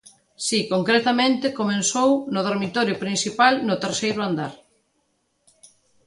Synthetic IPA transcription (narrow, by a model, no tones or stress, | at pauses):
sikoŋkɾet̪amẽnt̪ɪkomẽnsownʊð̞oɾmit̪ɔɾjʊpɾinsipalnʊt̪eɾsejɾʊand̪aɾ